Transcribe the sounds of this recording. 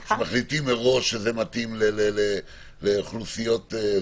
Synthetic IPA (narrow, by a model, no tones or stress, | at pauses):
ʃemaχlitimeʁo̞ʃezemat̪imlelele | leχlusijo̞t̪e